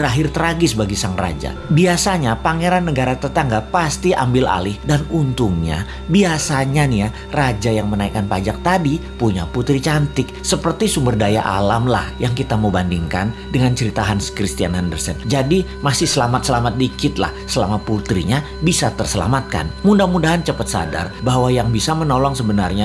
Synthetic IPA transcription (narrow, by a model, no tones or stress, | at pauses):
ɾaɦɪrt̪əɾaɡɪsbaɡisaŋra̰d͡ʒa̰biasaɲapaŋeɾanːəɡaɾat̪ərt̪aŋɡapast̪iʔa̰mbɪla̰lɪhdanunt̪uŋɲa̰ | biasaɲanija | rad͡ʒajaŋmənaikːanpad͡ʒak̚t̪adipuɲa̰put̪ɾit͡ʃant̪ɪk̚səpərt̪isumbərdaja̰ʔa̰lamla̰hjaŋkit̪aməbandiŋka̰ndəŋant͡ʃəɾit̪aɦanskɾist̪ianandərsənd͡ʒadimasɪhsəlamat̪̚səlamat̪̚dikɪt̪̚la̰hsəla̰mat̪̚put̪ɾiɲa | bisat̪ərsəla̰mat̪̚ka̰nmundamudaɦant͡ʃəpət̪̚sa̰da̰rbaɦwajaŋbisamənolɔŋsəbənarɲa